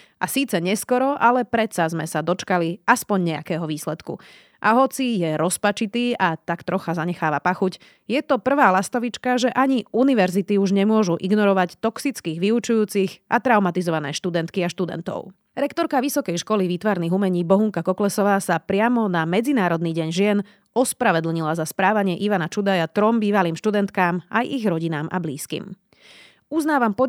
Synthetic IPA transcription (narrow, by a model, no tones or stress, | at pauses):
ʔasiːt͡sɛɲɛskɔɾɔʔalɛpɾɛsazmɛsad̪ɔt͡ʃkaliʔaspɔɲɲɛa̰kɛːɦɔʋiːslɛt̪kṵ | ʔaɦɔt͡sijɛɾɔspat͡ʃit̪iːʔat̪akt̪ɾɔxazaɲɛxaːʋapaxuc | jɛt̪ɔpr̩ʋaːlast̪ɔʋit͡ʃkaʒɛʔaɲiuniʋɛɾzit̪iuʒɲɛmʊɔʒuʔiɡnɔɾɔʋact̪ɔksit͡skiːɣʋiut͡ʃujuːt͡siɣʔat̪ɾaʊmat̪izɔʋanɛ̰ːʃt̪ud̪ɛnt̪kiaʃt̪ud̪ɛ̰nt̪ɔ̰ʊ | ɾɛkt̪ɔɾkaʋisɔkɛjʃkɔliʋiːt̪ʋaɾniɣumɛɲiːbɔɦuŋkakɔklɛsɔʋaːsapɾɪamɔnamɛd͡zinaːɾɔd̪niːɟɛɲʒɪɛn | ɔspɾaʋɛd̪l̩ɲilazaspɾaːʋaɲɪɛʔiʋanat͡ʃud̪ajat̪ɾɔmbiːʋaliːmʃt̪ud̪ɛnt̪kaːmajiɣɾɔɟinaːmʔa̰bliːskḭːm | uznaːʋampɔ